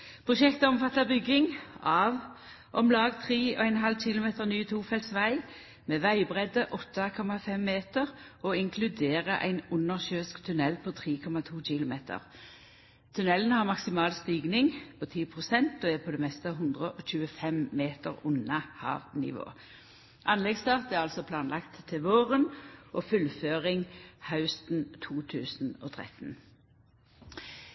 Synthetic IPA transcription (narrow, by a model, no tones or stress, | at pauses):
pʰʁʊʃɛkt̪əɔmfɑt̪ːɑbʏɡɪŋɑːʋ | ʔɔmlɑːɡt̪ʰʁiːɔæɪnɦɑlc͡çɪlʊmeːt̪əʁnyːt̪ʰuːfɛlsʋæɪ | meːʋæɪbʁɛd̪əʔɔt̪ːɑkʰɔmɑfɛmːeːt̪əʁɔɪŋkʰlʉd̪eːʁəʔæ̰ɪnʊnːəʁɕøːskt̪ʰʉnɛlpʰɔt̪ʰʁiːkʰɔmɑt̪ʰuːc͡çɪlʊmeːt̪ʰə̰ʁ | t̪ʰʉnɛlən̩hɑʁmɑksɪmɑːlst̪iːɡnɪŋpʰot̪ʰiːpʰʁʊsɛnt̪oːɛpʰɔd̪eːmɛst̪əɑɦʉnd̪ʁəʔɔc͡çʉːəfɛmmeːt̪əʁʊnɑhɑ̰ːʋnɪ̰ʋo̰ː | ʔɑnlɛɡst̪ɑːʁt̪æʁɑlsɔpʰlɑːnlʔɑkt̪ʰːɪʋoːʁənʔoːfʉlføːʁɪŋhɑʉst̪n̩t̪ʰuːt̪ʰʉːsn̩o̰ːt̪ʰʁɛ̰t̪n̩